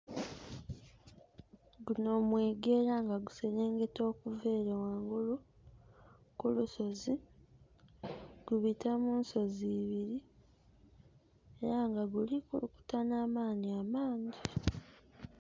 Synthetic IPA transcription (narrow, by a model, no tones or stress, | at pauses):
ɡuno̞mwe̞ːɡe̞ːɾaŋɡaɡuseɾeːŋɡe̞to̞ːkuveːɾewaːŋɡolu | kuluso̞zi | ɡ̥uβitamuːnso̞ziːβiɾi | eɾaŋɡaɡulikuluku̥tanaːmaːniamaːɲɟi